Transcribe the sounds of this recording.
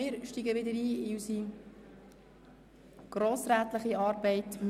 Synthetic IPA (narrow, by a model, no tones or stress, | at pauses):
ɪːɾʃtiɡəʋɪdəɾiːɪysi | ɡ̥ɾoːsɾæːtləχiɑːɾbɛɪtm